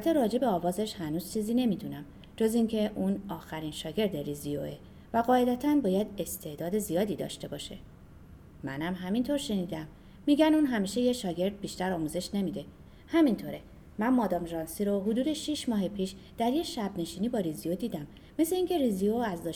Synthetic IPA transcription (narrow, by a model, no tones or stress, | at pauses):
t̪ʰːeɾɒːd͡ʒe̞be̞ɒːvɒːzeʃhænuːz̥t͡ʃʰiːziːne̞mid̪unæm | d͡ʒo̞ziŋcʰe̞ʔunɒːxæɾinʃɒːɟe̞ɾd̪eɾizijo̰e | væɣɒːe̞d̪æt̪ʰænbɒːjæd̪e̞st̪ʰe̞d̪ɒːd̪e̞zijɒːd̪iːd̪ɒ̰ʃt̪e̞bɒːʃe̞̰ | mæ̰næmɦæmint̪ʰo̞ɾʃe̞niːd̪æmː | iːɟænuːnɦæmiːʃe̞jeʃɒːɟe̞ɾd̪̚biʃt̪æɾɒːmuze̞ʃne̞miːd̪e̞ | hæmint̪ʰo̞ɾe̞ | mænmɒːd̪ɒːmʒɒːnsiɾoɦod̪uːd̪e̞ʃiʃmɒːɦepʰiːʃ | d̪̥æɾje̞ʃæbne̞ʃiːniːbɒːɾiziod̪iːd̪æmː | e̞seiŋcʰe̞ɾizioæzd̪ɒː